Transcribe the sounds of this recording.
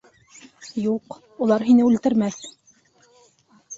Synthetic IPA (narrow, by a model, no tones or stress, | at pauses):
juq | ulˠɑɾɦinɘʉlt̪ɘ̆ɾmæθ